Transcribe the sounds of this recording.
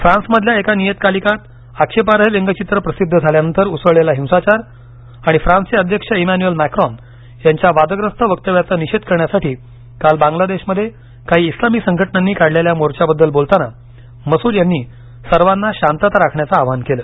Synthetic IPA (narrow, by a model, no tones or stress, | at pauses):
fɾãnsməd̪ʱljaekanijet̪̚kalikat̪ | akɕepaɾɦeleŋɡət͡ɕit̪ɾəpɾəsid̪ʱːəd͡zʱaljanənt̪əɾut͡səɭelaɦĩw̃sat͡ɕaɾ | aɽ̃ifɾãnseəd̪ʱjəkʂəimanuəlmækɾɔn | jaɲt͡ɕjaʋad̪əɡɾəst̪ʰəʋək̚t̪əʋjat͡səːniɕed̪kəɾɳjasaʈiː | kalbãŋɡlad̪eɕməd̪ʱːje | kaɦiːslamiːsəŋɡʱəʈnanːiːkaɽleljamoɾt͡ɕabəd̪ːəlbolt̪ana | məsuːɾjanːiː | səɾʋanːaɕãnt̪at̪ɾakʰɳjat͡saːʋankeləː